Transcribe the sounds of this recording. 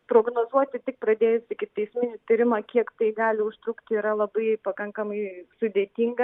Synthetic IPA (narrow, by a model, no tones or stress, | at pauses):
pɾoːɡnoːzuɔt̪ʲɪt̪ʲɪk̚pɾɐd̪ʲeːjʊsʲɪkʲɪt̪ɐɪsʲmʲɪnʲɪt̪ʲɪɾʲɪmɐːkʲiɛkt̪ɐɪɡɑːlʲɪʊʃt̪ɾukt̪ʲɪiːɾɐlˠɐbɐɪpɐkɐŋkɐmɐɪsʊd̪ʲeːt̪ʲiŋɡɐ